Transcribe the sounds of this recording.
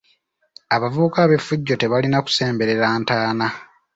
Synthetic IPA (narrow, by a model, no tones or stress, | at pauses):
aβavuβukaːβe̞fːuɟːo̞te̞βalinaku̥se̞ːmbe̞ɾe̞ɾaːntaːna